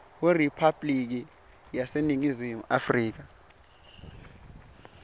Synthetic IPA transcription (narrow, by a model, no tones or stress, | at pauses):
weripʰab̥lik̬i | jaseniŋizimuafriːk̬a